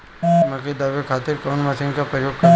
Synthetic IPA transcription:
mɐked̪aːʋekʰaːt̪ɪɾkɔːnmɐsɪ̃ŋkapɾəjoːɡkɐ

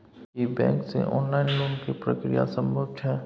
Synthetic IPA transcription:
ibɛ̃ːŋksḛʔɔːnlaːɪnloːmkipɾə̰kɾija̰sə̃mbʱəʋt̪ʰɦɛː

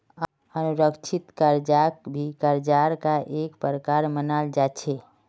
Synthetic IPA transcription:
ənuɾəkt͡ʃʰit̪kəɾd͡ʒakbʱikəɾd͡ʒaɾkaʔekpɾəkaɾmənald͡ʒat͡ʃʰe

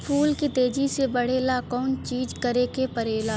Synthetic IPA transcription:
pʰuːlkit̪eːd͡ʒisebəɽ̤eːlakɔːnt͡ʃiːd͡ʒkəɾekepəɾeːla

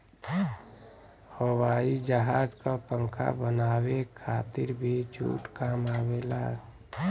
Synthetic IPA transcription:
həwaːid͡ʒəɦaːd͡ʒkapə̃ŋkʰa̰bənaːwekʰaːt̪ɪɾbʱit͡ʃʰṵːʈkaːmaːwela̰ː

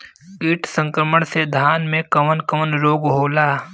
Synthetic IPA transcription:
ɪʈʰsə̃ŋkɾəməɽ̃sed̪ʱaːnmẽkɐʋənkɐmənɾoːɡɦoːlaː

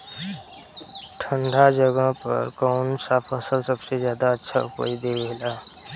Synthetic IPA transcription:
ʈʰəɳɖʱad͡ʒəɡə̃pə̰ɾkɔʊnsapʰəsəlsəbsezjaːd̪aətːʃʰaʊpə̰jd̪ebəɦɪla

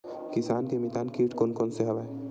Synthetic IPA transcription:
kɪsaːnkemit̪aːnkiːʈkonkonseɦɐʋaː

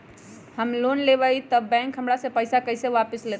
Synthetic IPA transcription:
həmlonleβəjt̪əbɛ̃ŋkɦəmɾasẽpəjsakəjsẽʋapəslet̪

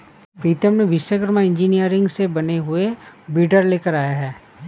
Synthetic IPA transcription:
pɾiːt̪əmnẽʋɪʃʋəɡɾmaɪ̃ɲd͡ʒinijəɾɪ̃ŋɡsebɐneɦʊebiːɖəɾleːkəɾaːjaɦɛː

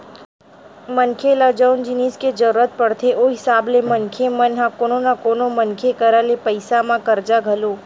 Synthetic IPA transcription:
mənkʰeləd͡ʒənd͡ʒɪniːsked͡ʒəɾuɾət̪̚pəɽt̪ʰeʔoɦɪsaːblemənkʰemənɦãkononakoːnomənkʰekəɾalepəɪsamãkəɾd͡ʒaɡʱəlo

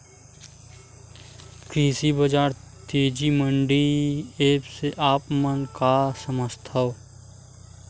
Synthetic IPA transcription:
kɾiːsibəd͡ʒaːɾt̪eːd͡ʒiməɳɖieːpseʔaːpmənkasəməst̪ʰəw

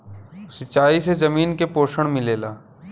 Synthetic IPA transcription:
sɪt͡ʃaːisezɐmiːnkepoːʃəɽ̃mɪleːlaː

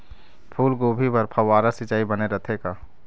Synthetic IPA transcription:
pʰuːlɡoːbʱibəɾpʰɐʋaːɾasɪt͡ʃaːibəneɾət̪ʰekaː

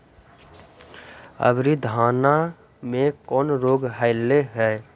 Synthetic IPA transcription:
ə̰bɾid̪ʱaːna | mẽkɔːnɾoːɡɦaɪlːeɦɛː

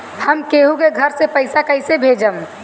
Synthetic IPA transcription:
həmkeːɦũkeɡʱəɾsepəɪsakəɪsebʱeːd͡ʒəm

